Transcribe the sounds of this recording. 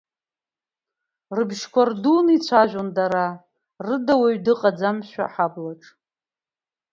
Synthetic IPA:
rɨbʃkʷardunit͡ɕʷʰaʒʷᶣondaɾa | rɨdawaɥdɨqʼad͡zamʃᶣa̰ħablaʈ͡ʂʼ

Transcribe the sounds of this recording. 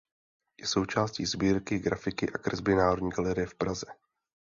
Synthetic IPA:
jɛso̞wt͡ʃaːsciːzbiːɾkɪɡɾafɪkɪʔakr̩zbɪnaːɦodɲiːɡalɛɾɪjɛfpɾazɛ

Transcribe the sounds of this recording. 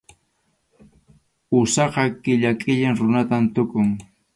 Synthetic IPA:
ʊsɑqɑkɪʎakʼɪʎɪŋɾʊnat̪ant̪ʊkʊŋ

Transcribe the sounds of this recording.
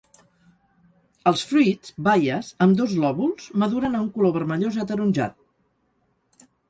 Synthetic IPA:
əlˠsfɾizbajəzəmd̪ozlɔβulˠz̥məðuɾənəuŋkuloβəɾməʎozət̪əɾunʲʒa̰t̪̚

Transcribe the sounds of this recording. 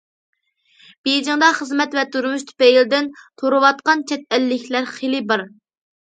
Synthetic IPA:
b̥ejd͡ʒ̪ɪŋd̪ɑχəzmɛt̪vɛt̪ʰuɾmuʃt̪ʰy̥pɛjild̪ɪnt̪ʰoɾɨwɑt̪̚qɑnt͡ʃʰɛt̪̚ɛlːɪkʲʰlæɾχelɪbɨɾ

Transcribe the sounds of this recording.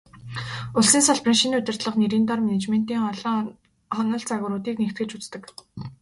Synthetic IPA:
ʊɮsiːnsɔɮprĭnʃinʊt̪ʲɪ̆r̥t̪ɮə̆χneɾiːnt̪ɔrmenet͡ɕmen̥t̪iːŋɔɮ | χɔnɞ̆ɮt͡saɣʊːɾʊːt̪iːknekt̪̚ɡɘ̆ɮt͡ɕut͡st̪ə̆k

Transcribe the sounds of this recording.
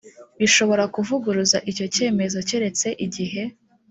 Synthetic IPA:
iʃo̞βo̞ɾakuvuɡuɾuzaʔico̞ce̞ːme̞zo̞ceɾe̞t͡se̞ʔiɟiɦe̞

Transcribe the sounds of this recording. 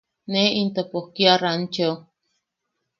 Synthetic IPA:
neint̪əpokiarant͡ʃo

